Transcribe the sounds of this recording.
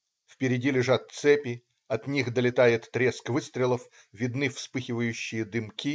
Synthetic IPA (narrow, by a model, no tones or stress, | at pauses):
fpʲɪɾʲɪdʲilʲɪʐat̪̚t̪sɛpʲɪ | ɐt̪nʲixd̪əlʲɪt̪ajɪt̪ːɾʲeskvɨst̪ɾʲɪlˠəf | vʲɪd̪nɨfspɨxʲɪvəjʉɕːɪjəd̪ɨmkʲi